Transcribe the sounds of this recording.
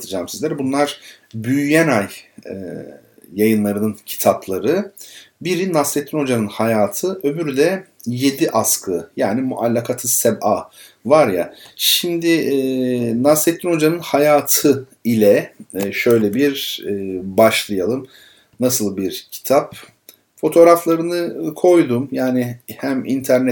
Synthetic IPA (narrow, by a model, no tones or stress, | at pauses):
t̪ʰɯd͡ʒaːmsizlʲæɾbunlˠaɾ̥ | byjyjænajɛ̰ | jajɯnlˠaɾɯnɯncʰi̥t̪ʰaplˠaɾɯbiɾinaset̪ʰːino̞d͡ʒanɯnhajaːt̪ʰɯʔø̞byɾyd̪ɛ | je̞d̪iʔaskʰɯjaːnimuʔalʲːakʰat̪ʰɯsɛbaː | vaɾjaʃimd̪ɪ | naset̪ʰːino̞d͡ʒanɯnhajaːt̪ʰɯ | ilʲɛʃø̞jlʲɛbiɾ | baʃlˠɯjalˠɯm | nasɯlˠbiɾcʰi̥t̪ʰap | fo̞t̪ʰo̞ːɾaflˠaɾɯnɯkʰo̞jd̪umjaːnɪhæmḭnt̪ʰæɾnɛ